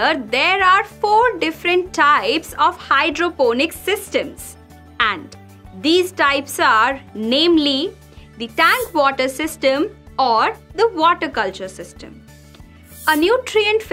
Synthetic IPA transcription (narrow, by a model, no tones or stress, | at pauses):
əɾd̪eːɾaːɾfoːɾɖɪfɾə̃ɳʈʰːaɪpsɔːʋhaɪɖɾoːpoːnɪksɪsʈə̃ms | æ̃ɳɖ | d̪iːzʈaɪpsaːɾnẽːmli | d̪iʈæ̃ŋkʋɔːʈəɾsɪsʈə̃mɔːɾd̪əʋɔːʈəɾkʌlt͡ʃəɾsɪsʈə̰̃m | ənjuːʈɾiə̃ɳʈf